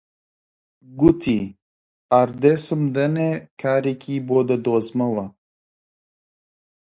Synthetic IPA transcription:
ɡut̪ʰi | aɾd̪esɨmd̪ɐnekʰaːɾikʰʲiboːd̪ɐd̪oːzmɐwɐ

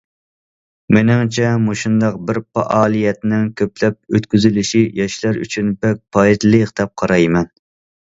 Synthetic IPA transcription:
mɪnɪŋt͡ʃʰɛmuʃund̪ɑq̚bɪɾpɑ̰ʔɑːlˠijɛt̪nɪŋkʲʰøplɛp̚øt̪kʲyzylyʃijɑʃlæɾy̰t͡ʃʰynbɛk̚ʲpʰɑit̪lɨqd̪ɛp̚qʰɑɾɑjmɛn

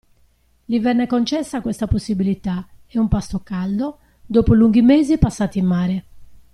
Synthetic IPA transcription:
livɛnːɛkont͡ʃɛsːakwɛst̪aposːibilit̪aɛumpast̪okald̪o | d̪oːpoluŋɡimeːzipasːaːt̪imːaːɾɛ

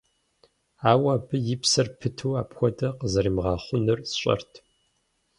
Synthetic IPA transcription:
aːwaːbɨjɪpsɐrpʰɨtʰuːaːpxʷɔdɐqəzɐɾimʁɑːχʷʊnɨrsɕʼɐ̰rtʰ

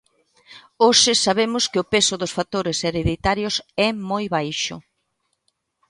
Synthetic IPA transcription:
oʃɪsaβemʊskɪʊpesʊðʊsfat̪oɾeseɾeðit̪aɾjosɛmojβajʃʊ̰

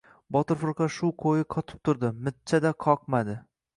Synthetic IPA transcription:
bɒt̪ʊɾfʊɾˠqɑʃʊqʰojɪqʰɒt̪ʰɪ̥p̚t̪ʰʊɾd̪ɪmɪt̪̚t͡ʃʰad̪aqʰɒqmad̪ɪ

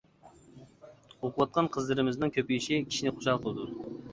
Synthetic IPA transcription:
oquwˠɑt̪̚qʰɑnqʰəzlˠɨɾɪmɪznɨŋkʲʰøpijiʃikʲʰi̥ʃinɪqʰo̥ʃɑlˠqʰəlˠɨd̪u

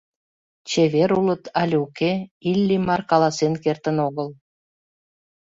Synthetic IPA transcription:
t͡ɕeβeɾulə̆t̪ʰɑlʲukeilʲːimɑrkɑlɑsenkert̪ənoɣəl

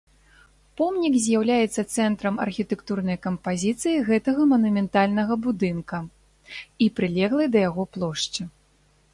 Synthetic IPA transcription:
pɔmnʲikzʲjawlʲajɛt̪sːɐt̪sɛnt̪ɾɐmɐ̰rxʲit̪ɛkt̪urnɐjkɐmpazʲit̪sɨjiɣɛt̪ɐɣɐmɐnumʲɛnt̪alʲnɐɣɐbud̪ɨnkɐ | ipɾɨlʲɛɣlˠɐjd̪ɐjaɣɔplˠɔʂt͡ʂɨ

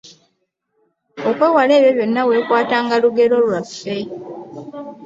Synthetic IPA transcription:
okwe̞ːwale̞ːβjo̞βjo̞nːawe̞ːkwaːtaːŋɡaluɡe̞lo̞lwafːe̞

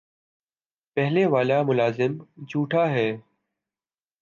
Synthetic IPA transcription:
pɛɦleːʋaːlaːmʊlaːzɪmd͡ʒʰʱuːʈʰaːɦɛː

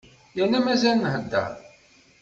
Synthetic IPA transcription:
jænːæmæzælnhəd̪ːæ̰

